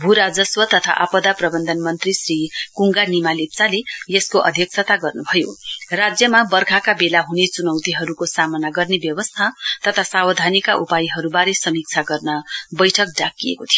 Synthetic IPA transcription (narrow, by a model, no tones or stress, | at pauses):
bʱuɾad͡zʌswʌt̪ʌt̪ʰa̰ʔapʌd̪aprʌbʌnd̪ʱʌnmʌnt̪risrikuŋɡanimalip̚t͡salejeskoʔʌ̰d̪ʱjʌk̚t͡sʰʌt̪aɡʌrnubʱʌjorad͡zjʌmabʌrkʰakabelaɦunet͡sunʌwt̪iɦʌɾukosamʌnaɡʌrnebjʌwʌst̪ʰat̪ʌt̪ʰasawʌd̪ʱanikaʔupajiɦʌɾubaɾesʌmik̚t͡sʰaɡʌrnʌbʌjʈʰʌk̚ɖakijḛkot̪ʰijo